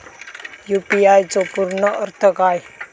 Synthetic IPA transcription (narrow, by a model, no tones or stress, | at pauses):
jupiajt͡sopuɾnəʔəɾt̪ʰəkaj